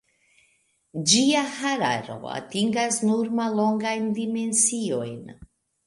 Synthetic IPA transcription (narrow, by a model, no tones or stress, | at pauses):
d͡ʒiahaɾa̰ɾo̞̰a̰tiŋɡasnuɾmalːo̞ŋɡajndime̞nsio̞jn